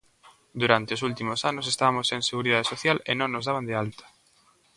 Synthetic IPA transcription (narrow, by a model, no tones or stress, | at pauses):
d̪uɾant̪eosult̪imosanʊsest̪aβamosẽŋseɣuɾiðaðesoθjalenõŋːozðaβand̪ealt̪ɐ̥